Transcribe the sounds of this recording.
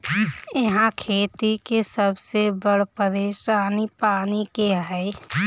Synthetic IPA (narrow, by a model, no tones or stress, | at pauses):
eɦãkʰeːt̪ikesəbsebəɽ̤pəɾeːʃaːnipaːnikeɦɛɪ